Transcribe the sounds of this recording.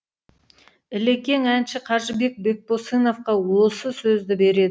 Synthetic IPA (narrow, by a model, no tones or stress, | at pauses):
ɪle̞kʲe̞ŋænʃɪqʰɑɾʒəbe̞k̚be̞k̚boseno̞fqɑwosəsɵzd̪ɪbe̞ɾe̞d̪ɪ